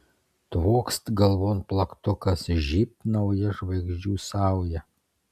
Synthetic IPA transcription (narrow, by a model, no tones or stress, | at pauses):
t̪ʋoːkst̪ɡɐlˠʋoːnplˠɐkt̪ʊkɐsʒʲiːp̪̚nɐʊjɛʒʋɐɪɡʒʲd͡ʒʲuːsɑˑʊjɛ